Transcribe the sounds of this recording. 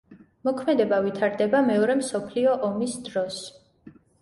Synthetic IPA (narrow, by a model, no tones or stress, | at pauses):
mɔkʰmɛd̪ɛbavit̪ʰaɾd̪ɛbamɛɔɾɛmsɔpʰliɔʔɔmisd̪ɾɔs